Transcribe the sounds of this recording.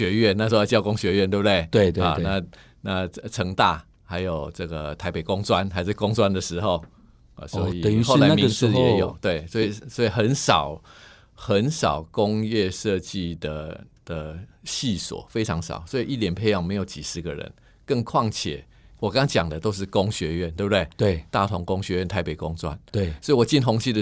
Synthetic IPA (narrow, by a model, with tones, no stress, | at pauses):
ɥɛ˧˥ɥɛ˥˨nna˥˩ʂwt͡ɕjɑ˥˧ʊkʊ˥˦ŋɕɥɛ˧ɥɛ˥˧nt̪wbu˧d̪we˥˩ɪt̪we˧˨a̰˨˩˧na˥˧ | na˥˩t͡sʰə˧˥ŋt̪a̰˥˩ | ha˧˥ɪjo˨˩ʊt͡sə˥˩ɡə˩t̪ʰa˧˥ɪpe˨˩ɪkʊ˦ŋt͡swa˦nxa˧˥ɪʂɻ̩˥˩kʊ˥˦ŋt͡swa˦˥nd̪ə˨ʂɻ̩˧˥xo˨˧ʊ̰˨ | swɔ˧˦˧i˨˩xo˥˩ʊla˧˦mi˧˦ŋsɹɛ˧˦jo˨˩˦ʊt̪we˥˩ɪswɔ˧˥i˨˩swɔ˧˥i˨˩xə˧˦nsɑ˨˩ʊ | xə˨˦nsɑ̰˨˩ʊkʊ˦˥ŋjɛ˥˧ʂɤ˥˧t͡ɕi˥˧d̪ə˨˩d̪̥ə˩ɕi˥˩swɔ̰˨˩˦fe˥ɪʈ͡ʂʰɑ˧˥ŋʂɑ̰˨˩˦ʊswɔ˧˥i˨˩ʔi˥˩t̪jɛ˨˩npʰe˧ɪjɑ˨˩ŋme˧˥ɪjo˨˩ʊt͡ɕi˨˩ʂɻ̩˧˥ɡə˨ɻə̰˧˦n | kə˥˧ŋkʰwɑ˥˩ŋt͡ɕʰjɛ̰˨˩˦ | wɔ˨˩ka˥ŋɑ˥ŋt͡ɕjɑ˨˩ŋd̪ə˦t̪o˥ʊʂ̬̩˥˩kʊ˦˥ŋɕɥɛ˧˥ɥɛ˥˩nt̪we˥˧˩bd̪e˥˩we˧˩t̪a˥˩t̪ʰʊ˧˥ŋkʊ˥ŋɕɥɛ˧˦ɥɛ˥˩nt̪ʰa˧˥ɪpe˨˩kʊ˧˥ŋt͡swa̰˦nt̪e˩swɔ˧˥i˨˩wɔ˨˩t͡ɕi˥˩nɦʊ˧˥ŋɕi˥˩d̪ə˨